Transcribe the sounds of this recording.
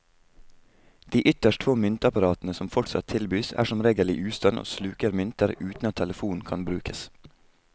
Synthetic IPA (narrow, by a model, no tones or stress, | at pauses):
d̪̥iːʔʏt̪əʃʈtʰʋoːmʏnt̪əɑpɑɾɑːt̪n̩əsɔmfɔʈsɑ̰t̪ʰɪlbyːsæ̰ːʃɔmɾeːɡəlɪ̰ʔʉːst̪ɑnʔo̰ːslʉːkəɾmʏnt̪əɾʉːt̪n̩ɑt̪ʰːɛləfuːn̩kʰɑnbɾʉːkʰəs